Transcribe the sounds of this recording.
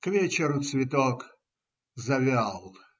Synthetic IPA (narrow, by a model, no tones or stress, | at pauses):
kvʲet͡ɕɪɾʊt̪svʲɪt̪ok | zɐvʲalˠ